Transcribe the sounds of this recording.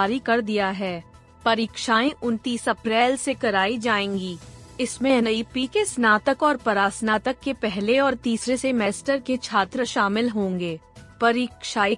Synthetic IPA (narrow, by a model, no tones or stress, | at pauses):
ɾikɐɾd̪ijaɦɛː | pɐɾiːkʃaːẽʔʊnt̪iːsɐpɾɛːlsekɐɾaːid͡ʒaːẽːŋɡiːɪsmẽnɐipiːkesnaːt̪əkɔːɾpɐɾaːsnaːt̪əkːepɛɦleɔːɾt̪iːsɾesemɛːsʈəɾket͡ʃʰaːt̪ɾəʃaːmɪlɦõːŋɡeː | pɐɾiːkʃaːi